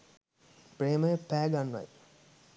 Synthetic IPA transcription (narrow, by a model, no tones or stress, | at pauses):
preːməjəpæːɡanːʋa̰j